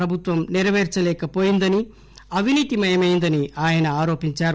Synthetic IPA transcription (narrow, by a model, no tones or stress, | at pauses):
ɾɐbʱut̪ʋɐmniɾɐʋeːɾt͡ʃɐlɛːkɐpoːjind̪ɐni | ɐʋʱiniːt̪imɐjɐmɐjind̪ɐniʔaːjɐnɐaːɾo̞ːpiɲt͡ʃaːɾ